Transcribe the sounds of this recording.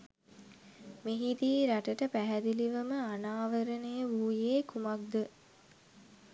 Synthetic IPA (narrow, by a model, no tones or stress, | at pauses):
meɦid̪iːɾaʈəʈəpæɦæd̪iliʋəməanaːʋəɾənəjəʋuːjeːkumak̚d̪ə